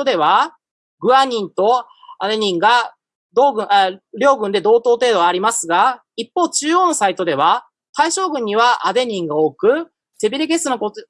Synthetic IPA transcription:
od̪e̞βa | ɡɯ̟aɲ̟ĩnt̪o̞ | ad̪e̞ɲ̟ĩŋɡa | d̪oːɡɯ̟̃eɾʲo̞ːɡɯ̟̃nd̪e̞d̪o̞ːt̪o̞ːt̪e̞ːd̪o̞aːɾʲimasɨɡa | ipːo̞ːt͡ɕɨːjo̞ːno̞sait̪o̞d̪e̞β̞a | t̪aiɕo̞ːɡɯ̟̃ɲ̟ːiβaʔad̪e̞ɲ̟ĩŋɡao̞kɯ̟ | t̪e̞bʲiɾʲiɡe̞sɨnoko

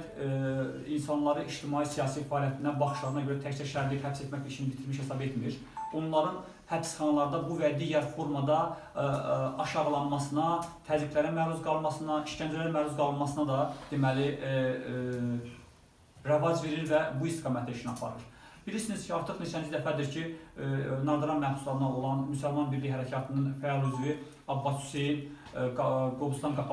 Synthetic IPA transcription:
insɑnlˠɑɾɯiʃt̪ʰimɑjisijɑːsifɑːlijɑt̪ʰinæbɑχɯ̥ʃlˠɑɾɯnɑɟøɾæt̪ʰæct͡ʃ̪æɾʃæɾd̪iphæpse̞t̪mæcit͡ʃʰinbit̪ʰiɾmiʃhe̞sɑbe̞t̪miɾ | o̞nlˠɑɾɯn | hæpsχɑnɑlˠɑɾd̪ɑbuvæd̪iːɟæɾfo̞ɾmɑd̪ɑ | ɑʃɑʁlˠɑnmɑsɯnɑt̪ʰæzikʰʲlæɾæmæluzɡɑlˠɯmɑsɯnɑiʃcænd͡ʒælæɾæmæluzɡɑlˠɯnmɑsɯnɑd̪ɑd̪̥emæli | ɾævɑd͡ʒve̞ɾiɾvæbuist̪ʰiɡɑmæt̪ʰeʃiniɑpʰɑ̰ɾɯɾ | b̥iliɾsiniz̥cʰiɑɾt̪ʰɯχnet͡ʃʰænizd̪æfæd̪iɾcʰi | nɑɾd̪ɑɾɑnmæhbu̥slˠɑɾɯnɑolˠɑnmysælmɑnbiɾliɦæɾæcʰɑt̪ʰɯnɯnfæɑlˠyzvi | ɑbːɑt̪ʰy̥sejin | ɡɡobust̪ɑnɡɑpʰ

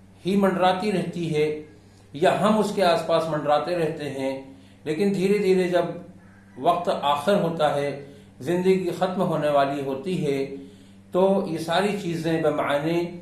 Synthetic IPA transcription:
himɐ̃ɳɖɾaːt̪iɾɛɦt̪iɦɛ | jaɦɐmʊskeaːspaːsmɐ̃ɳɖɾaːt̪eɾɛɦt̪eɦɛ̃ | leːkɪnd̪ʱiːɾed̪ʱiːɾed͡ʒɐb | ʋɐq̚t̪aːxɪɾɦoːt̪aɦɛ | zɪ̃nd̪əɡiixɐt̪mɦoːneʋaːliɦoːt̪iɦɛ | t̪oːjesaːɾit͡ʃiːzẽbɐma̰nẽ

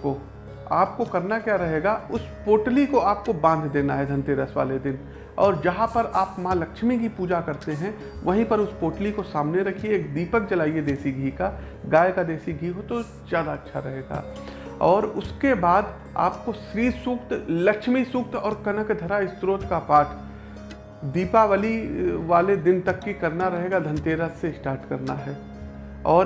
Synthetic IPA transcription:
ko | aːp̚kokɐɾnakjaːɾɐɦeːɡaʊspoːʈlikoaːp̚kobãːnd̪ʱd̪eːnaɦɛd̪ʱɐ̃nt̪eːɾəsʋa̰ːled̪ɪn | ɔːɾd͡ʒɐɦãpɐɾʔaːpmãːlɐkʃmikipuːd͡ʒakɐɾt̪eɦɛ̃ | ʋɐɦĩpɐɾʊspoːʈlikosaːmneɾɐkʰieeːk̚d̪iːpək̚t͡ʃɐlaːied̪eːsiɡʱiːka | ɡaːjkad̪eːsiɡʱiːɦot̪o | zjaːd̪aɐtːʃʰa̰ɾɐɦeːɡa̰ː | ɔːɾʊskebaːd̪ | a̰ːp̚koʃɾiːsʊkt̪lɐkʃmisʊk̚t̪ɔːɾkɐnəkd̪ʱɐɾaɪst̪ɾoːt̪kapaːʈ | d̪iːpaʋaːliʋaːled̪ɪnt̪ɐkːikɐɾnaɾɐɦeːɡad̪ʱɐ̃nt̪eːɾaseɪsʈaːɾʈkɐɾnaɦɛː | ɔːɾ

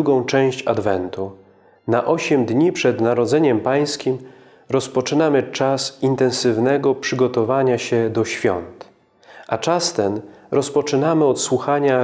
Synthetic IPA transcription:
uɡɔ̃w̃t͡ʂɛ̃w̃ɕt͡ɕa̰d̪vɛnt̪u | naʔɔɕɛmd̪ɲipʂɛd̪naɾɔd̪zɛɲɛmpaj̃skʲim | ɾɔspɔt͡ʂɘnamɘt͡ʂasint̪ɛ̃ñsɘvnɛɡɔpʂɘɡɔt̪ɔvaɲaɕɛd̪ɔɕfʲjɔ̰nt̪ | ʔat͡ʂast̪ɛnɾɔspɔt͡ʂɘnamɘɔt̪swuxaɲa

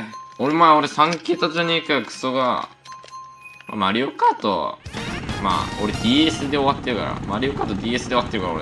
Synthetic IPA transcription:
oɾemaoɾesãŋkʲeːt̪aʑaɲ̟ekakɯ̥soɡa̰ | ma̰maɾʲiokat̪o̰ | ma̰ːoɾed̪ʲiːesɨd̪e̞o̞at̪ːe̞ɾɯ̟ka̰ɾa̰maɾʲijokat̪od̪ʲiːesɨd̪eo̞at̪ːe̞ɾɯ̟kaɾao̰ɾ

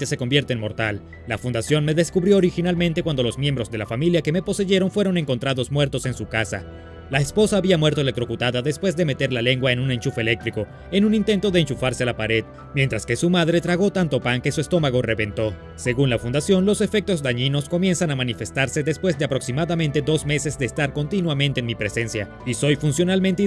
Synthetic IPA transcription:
ese̞ko̞mbje̞ɾt̪eːnmo̞ɾt̪alː | afund̪asjo̞nme̞ðe̞skuβɾjo̞ːɾixinalmẽnt̪ekwand̪o̞lozmje̞mbɾo̞zðe̞lafamiljake̞me̞po̞se̞ʝe̞ɾo̞nfwe̞ɾo̞ne̞ŋkont̪ɾaðo̞zmwe̞ɾt̪o̞se̞nsukasa̰ | laespo̞saːβiamweɾt̪olet̪ɾo̞kut̪aðaðespwe̞zðe̞me̞t̪e̞ɾlale̞ŋɡwae̞nune̞nt͡ʃufele̞k̚t̪ɾiko̞ | enunint̪e̞nt̪o̞ðeːnt͡ʃufaɾsealapaɾe̞ð | mjent̪ɾaske̞sumaðɾe̞t̪ɾaɣo̞t̪ant̪o̞paŋke̞suest̪o̞maɣ̞o̞re̞βe̞nt̪o̞ | se̞ɣunlafund̪asjo̞nlo̞se̞fe̞k̚t̪o̞zd̪aɲino̞sko̞mje̞nsanamanife̞st̪aɾse̞ðe̞spwe̞zd̪e̞apɾo̞ksimaðamẽ̞nt̪e̞d̪o̞zme̞se̞zd̪eːst̪aɾko̞nt̪inwamẽnt̪eːnmipɾe̞se̞nsja | iso̞jfunsjo̞nalment̪e

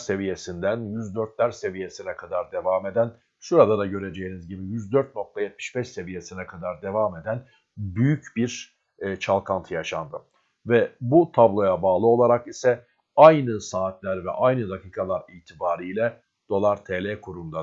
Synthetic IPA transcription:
se̞vije̞sind̪ænjyzd̪øɾt̪lʲæɾse̞vije̞sinɛkʰad̪aɾd̪e̞vaːme̞d̪æn | ʃuɾad̪ˠad̪aɟø̞ɾe̞d͡ʒe̞jinizɟibijyzd̪øɾt̪̚nok̚t̪ʰajɛt̪̚mi̥ʃbɛʃse̞vije̞sinɛkʰad̪aɾd̪e̞vaːme̞d̪æn | byjycbiɾ | t͡ʃʰalˠkʰant̪ʰɯjaʃand̪ɯ | vɛbut̪ʰablˠo̞jabaːlˠɯo̞lˠaɾakisɛ | ajnɯsaːt̪lʲæɾvɛ̰ʔajnɯd̪akʰiːkʰalˠaɾiːt̪ʰibaːɾijlʲɛ | d̪̥o̞lˠaɾt̪ʰeːlʲɛkʰuɾund̪a

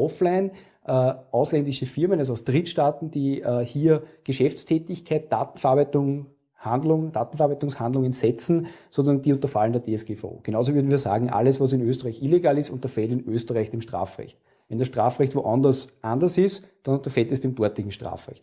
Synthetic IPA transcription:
ʔɔflæɪn | ʔəːʔɑʊslɛndɪʃəfɪɐmənaz̬ɑʊsd̥ʁitʃtaːtn̩d̥iːhiːɐɡ̥əʃɛft͡stʰɛːtɪçkʰæɪt̚d̥a̰ːtn̩fəɐaːbæɪtʊŋ | handlʊŋd̥aːtn̩fəɐaːbɛɪtʊŋshandlʊŋənsɛt͡sn̩sonsndiːʊ̃ntɐfaləndɐdeːɛsɡ̥eːfa̰o̰ːɡ̥enɑʊz̬ovʏɐdn̩viːɐsa̰ːɡŋ̩ʔa̰lːəsvas̬ɪnøːstəɐʁaɪçʔileɡaːlɪstʊ̰ntɐfɛltɪnøːstəʁæɪçd̥emʃtʁa̰ːfʁɛ̰çt | vɛndɐsʃtʁ̥a̰ːfʁɛçtvoʔandɐsʔandɐsɪstd̥anʊntɐfɛltɛsd̥eːmd̥ɔɐtlɪçŋ̩ʃtʁa̰ːfʁɛ̰çt

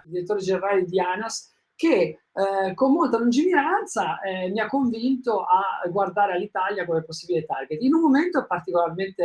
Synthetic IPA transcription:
d̪iɾet̪ːoːɾed͡ʒeneɾaːled̪ianas | k̟e | komːolt̪alund͡ʒiniɾant̪saɛmiakːoɱvint̪oʔaɡward̪aːɾealːit̪aljakomeposːibilet̪arɡet̪inumːoment̪opart̪ikolarment̪e

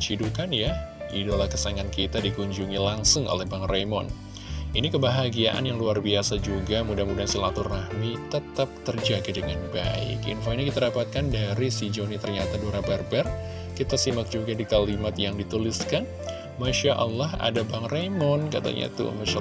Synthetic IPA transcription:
t͡ʃidukanjaidolahkəsaŋankit̪adikuɲd͡ʒuŋilaŋsʊŋo̰lɛhbaŋramɔ̰n | inikəbaɦaɡiaʔa̰njaŋluarbiasad͡ʒuɡamudamudansilat̪ʊrːahmit̪əpt̪ap̚t̪ərd͡ʒaɡidəŋanbaɪ̰kḭnfoinikit̪adapat̪̚kandaɾisid͡ʒonit̪ərɲat̪adoɾabɛrbɛr | kit̪asimak̚d͡ʒuɡadikalimat̪jaŋdit̪uliskan | maʃaʔɑlːɔɦa̰dabaŋremɔnkat̪a̰ɲa̰t̪ṵmaʃa

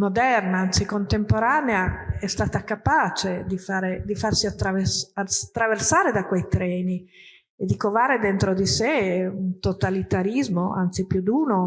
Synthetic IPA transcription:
mod̪ɛrnaant̪sikont̪empoɾaːneaɛst̪aːt̪akapaːt͡ʃed̪ifaːɾed̪ifarsiat̪ːɾavesat̪ːɾaversaːɾed̪akwejt̪ɾɛːni | ed̪ːikovaːɾed̪ent̪ɾod̪iseunt̪ot̪alit̪aɾizmoa̰nt̪sipjud̪uːno

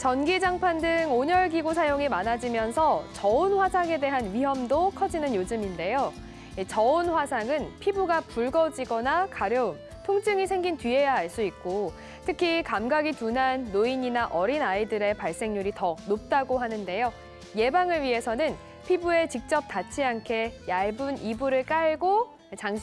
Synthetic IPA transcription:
t͡ɕʌnɡid͡ʑaŋpʰandɯŋoɲʌɭɡiɡosʰajoŋimanad͡ʑimjʌnsʰʌt͡ɕʌunɸwasʰaŋe̞de̞ɦanɥiɦʌmdokʰʌd͡ʑinɯnjod͡ʑɯminde̞jo | it͡ɕʌonɸwasʰaŋɯnpʰibuɡapuɭɡʌd͡ʑiɡʌnakaɾjʌum | tʰoŋt͡ɕʰɯŋisʰe̞ŋɡintɥie̞jaɦaɭs͈uik̚k͈o | tʰɯkʰikamɡaɡitunanːoiɲinaʔʌɾinaidɯɾe̞paɭs͈e̞ŋɲuɾitʌnop̚t͈aɡoɦanɯnde̞jo | je̞baŋɯɭɥiɦe̞sʰʌnɯn | pʰibue̞t͡ɕik̚t͡ɕ͈ʌp̚t͈at͡ɕʰiankʰe̞jaɭbunibuɾɯɭk͈aɭɡo | t͡ɕaŋ

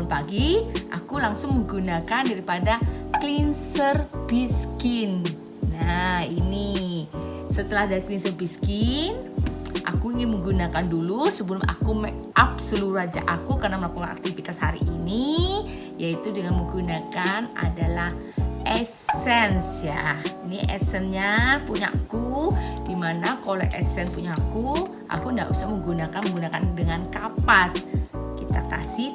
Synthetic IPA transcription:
paɡiʔa̰kulaŋsʊŋməɡunakandaɾipadaklinsərbiskinː | aini | sət̪əlahdaɾiklinsərbiskinʔa̰kuiŋinməɡunakandulusəbəlʊma̰kumɛk | ap̚səluɾad͡ʒa̰ʔakukarnaməlakukana̰k̚t̪ifit̪ashaɾḭʔini | jait̪udəŋanməŋɡunakana̰dalah | ʔɛsɛnsjainiʔɛ̰sɛnɲapuɲa̰kudimanakoloʔɛ̰sɛnpuɲaku | ʔa̰kundaʔusahməŋɡunakanməŋɡunakandəŋankapaskit̪akasɪh

